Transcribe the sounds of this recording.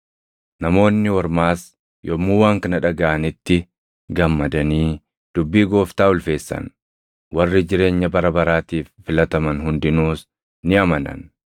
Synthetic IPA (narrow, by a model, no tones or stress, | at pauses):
nɐmo̞ːnːɪwɔɾmaːs | jɔmːuːwaːŋkɐnɐᶑɐɡaʔɐnɪt̪ːɪ | ɡɐmːɐd̪ɐniː | d̪̥ʊbːiːɡo̞ːft̪aːʊlfe̞ːsːɐ̰n | wɐrːɪd͡ʒɪɾe̞ːɲːɐbɐɾɐbɐɾaːt̪iːfːɪlɐt̪ɐmɐnɦʊnd̪ɪnuːs | nɪɐmɐnɐ̰n